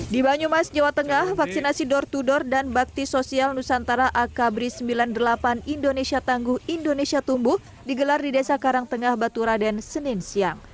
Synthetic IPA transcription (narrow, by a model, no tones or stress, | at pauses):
dibaɲumasd͡ʒawat̪əŋahfaksinasidɔrt̪udɔrdanbak̚t̪isosialnusant̪aɾaʔakabɾisəmbilandəlapanindonesiat̪aŋɡuhindonesiat̪umbuh | diɡəlardidesakaɾaŋt̪əŋahbat̪uɾadansəninsiaŋ